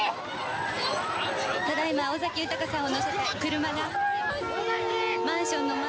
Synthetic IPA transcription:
t̪ad̪aimaozakʲiɯ̟t̪akasãɰ̃onoset̪akɯ̟ɾɯ̟maɡa | mãɰ̃ɕõ̞nːom

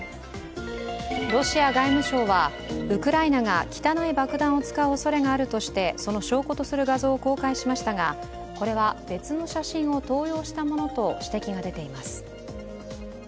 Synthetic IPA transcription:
ɾo̞ɕiaɡaimɯ̟ɕo̞ːβa | ɯ̟kɯ̟ɾainaŋakʲi̥t̪anaibakɯ̟d̪ãɰ̃o̞t͡sɨ̥kaɯ̟oso̞ɾe̞ŋaːɾɯ̟t̪o̞ɕi̥t̪e̞so̞no̞ɕo̞ːko̞t̪osɨɾɯ̟ɡazo̞ːko̞ːkaiɕimaɕi̥t̪aŋa | ko̞ɾe̞βab̥e̞t͡sɨno̞ɕaɕĩɰ̃o̞t̪o̞ːjo̞ːɕi̥t̪amo̞no̞t̪o̞ɕi̥t̪e̞kʲiɡad̪e̞t̪e̞imasɨ̥

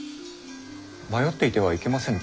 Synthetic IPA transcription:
majo̞t̪ːe̞it̪e̞βaike̞masẽ̞ŋ

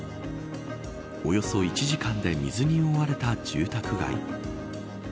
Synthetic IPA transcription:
o̞jo̞so̞it͡ɕiʑikãnd̪e̞mʲizɨɲ̟io̞βaɾe̞t̪ad͡ʑ̥ɨːt̪akɯ̟ɡa̰ḭ

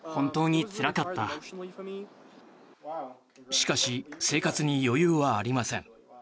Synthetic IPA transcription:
hõ̞nt̪o̞ːɲ̟it͡sɨɾakat̪ːa | ɕi̥kaɕise̞ːkat͡sɨɲ̟ijo̞jɯːβaːɾʲimasẽ̞ŋ

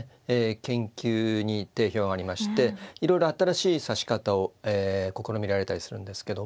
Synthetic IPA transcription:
eːkẽ̞ŋkʲɨːɲ̟it̪e̞ːço̞ːɡaːɾʲimaɕi̥t̪e̞iɾo̞jɾo̞at̪aɾaɕiːsaɕi̥kat̪ao̞eːko̞ko̞ɾomʲiɾaɾe̞t̪aɾʲisɨɾɯ̟̃nd̪e̞sɨ̥ke̞d̪o

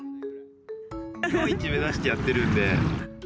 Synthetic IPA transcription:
oit͡ɕimezaɕi̥t̪ejat̪ːe̞ɾɯ̟̃nd̪e

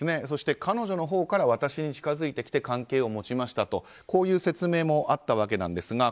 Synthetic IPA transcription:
ne̞so̞ɕi̥t̪e̞kʰano̞ʑo̞no̞ɦo̞ːkaɾaβ̞at̪aɕiɲ̟it͡ɕi̥kazɨit̪e̞kʲi̥t̪ekãŋke̞ːo̞mo̞t͡ɕimaɕi̥t̪at̪o̞ | ko̞ːjɯ̟ːse̞t͡sɨme̞ːmo̞ʔat̪ːaβ̞ake̞nã̰nd̪e̞sɨɡa

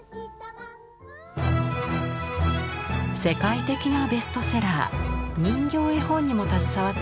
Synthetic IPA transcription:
se̞kait̪e̞kʲinabe̞sɨ̥t̪o̞seɾaːɲ̟ĩŋɡʲo̞ːehõ̞ɲ̟ːimo̞t̪at͡sɨ̥saβat̪ː

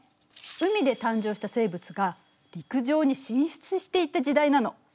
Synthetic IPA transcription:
ɯ̟mʲid̪e̞t̪ãɲ̟d͡ʑo̞ːɕi̥t̪ase̞ːbɯ̟t͡sɨɡa | ɾʲikɯ̟ʑo̞ːɲ̟iɕĩɰ̃ɕi̥t͡sɨɕi̥t̪e̞it̪ad͡ʑid̪ainano̞

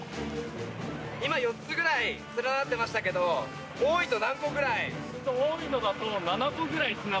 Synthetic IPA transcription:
imajo̞tt͡sːɨɡɯ̟ɾait͡sɨɾanat̪ːe̞maɕi̥t̪ak̬e̞d̪o̞ | oːit̪o̞nãŋko̞ɡɯ̟ɾaiot̪ooːino̞d̪at̪onanakoɡɯ̟ɾait͡sɨna

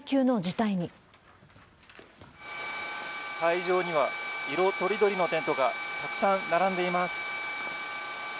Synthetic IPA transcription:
kʲɨːno̞d͡ʑit̪aiɲ̟i | haiʑo̞ːɲ̟iβaiɾo̞t̪o̞ɾʲid̪o̞ɾʲino̞t̪ẽ̞nt̪o̞ɡat̪akɯ̟̥sãnnaɾãnd̪e̞imasɨ̥

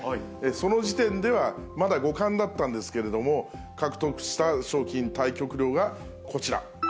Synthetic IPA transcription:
eso̞no̞ʑit̪ẽ̞nd̪e̞β̞amad̪aɡo̞kãnd̪at̪ːãnd̪e̞sɨ̥ke̞ɾe̞d̪o̞mo̞ | kakɯ̟̥t̪o̞kɯ̟̥ɕi̥t̪aɕo̞ːkʲĩnt̪aikʲo̞kɯ̟ɾʲo̞ːɡa | kʰo̞t͡ɕiɾa̰

